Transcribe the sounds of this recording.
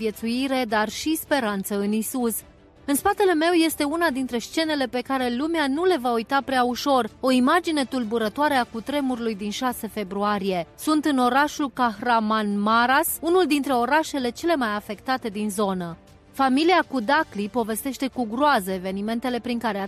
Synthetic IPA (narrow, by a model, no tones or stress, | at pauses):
je̞t̪suiɾe̞d̪arʃispe̞ɾant̪səɨnisus | ɨnspat̪e̞le̞me̞wje̞st̪e̞unad̪int̪ɾe̞st͡ʃe̞ne̞le̞pe̞kaɾe̞lumeanule̞vaujt̪apɾeauʃo̞ro̞imad͡ʒine̞t̪ulbuɾət̪oaɾeakut̪ɾe̞muɾulujd̪inʃase̞fe̞bɾuaɾije̞sunt̪ɨno̞ɾaʃulkaxramanmaɾasunuld̪int̪ɾe̞o̞ɾaʃe̞le̞t͡ʃe̞le̞majafe̞kt̪at̪e̞d̪inzo̞nə | familiakud̪aklipo̞ve̞st̪e̞ʃt̪e̞kuɡɾoazəeve̞nime̞nt̪e̞le̞pɾiŋkaɾea